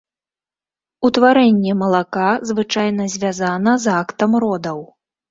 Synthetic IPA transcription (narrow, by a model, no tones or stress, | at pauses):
ut̪vaɾɛnʲːɛmɐlˠakazvɨt͡ʂajnɐzʲvʲazanɐzakt̪ɐmrɔd̪ɐw